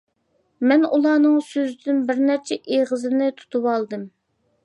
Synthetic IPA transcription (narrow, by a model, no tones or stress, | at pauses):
mɛnulˠɑːnɨŋsøzɪd̪ynbɪɾnæɾt͡ʃʰɛʔeʁəzɨnɪt̪ʰu̥t̪ʰuwɑlˠd̪ɨm